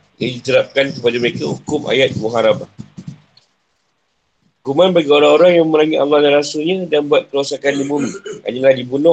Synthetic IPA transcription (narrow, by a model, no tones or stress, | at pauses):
jadit̪əɾap̚kankəpadaməɾekahukʊma̰jat̪̚muɦaɾaba | hukumãnbaɡioɾaŋoɾaŋjaŋməɾaŋiʔ̪alːɔlaɾasulɲãdanbuat̪̚kəɾuasakandibumĩa̰ɲalahdibunɔ̃